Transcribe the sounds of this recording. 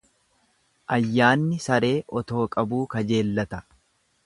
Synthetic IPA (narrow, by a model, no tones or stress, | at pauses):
ʔɐjːaːnːɪsɐɾe̞ːʔɔt̪o̞ːkʼɐbuːkɐd͡ʒe̞ːlːɐt̪ɐ̥